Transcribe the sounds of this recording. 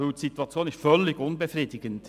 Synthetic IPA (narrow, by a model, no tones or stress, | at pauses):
ylsituɑt͡sjoːnɪstfœlːɪɡʊnbəfriːdɪɡənt